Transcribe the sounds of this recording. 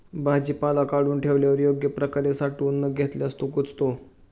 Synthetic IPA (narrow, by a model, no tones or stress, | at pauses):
bad͡ʑiːpalakaɽuːnʈʰeʋljaʋəɾjoɡjəpɾəkaɾesaʈuːnːəɡʱet̪leəst̪okut͡st̪o